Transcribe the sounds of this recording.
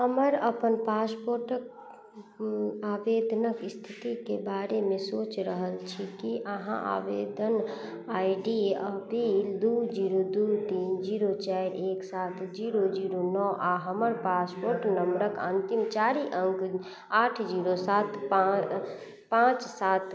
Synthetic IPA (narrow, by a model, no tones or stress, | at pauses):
ɦəməɾəpənpaspoɾʈək | abed̪ʱnəkist̪ʰit̪ikebaːɾemẽsoːt͡ʃɾəɦəlt͡ʃʰikiʔəɦã̰ʔa̰bed̪ʱən | aiɖiəpild̪ud͡ʒiɾod̪ut̪iːnd͡ʒiɾot͡ʃaiɾeːksaːt̪ʰd͡ʒiːɾod͡ʒiɾonɔʔaɦəməɾpaːspoːɾʈnəmbɾəkə̰̃nt̪imt͡ʃaːɾiʔə̃ŋk | aːʈʰd͡ʒiɾosaːt̪p | pãːt͡ʃsaːt̪